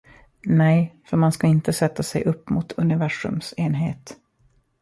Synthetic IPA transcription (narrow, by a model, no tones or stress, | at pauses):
nɛjfœɾmanskaɪnt̪əsɛt̪ːasɛ̰jʔɵpːmuːt̪ʰɵnɪvæʂɵ̰mseːnɦeːt̪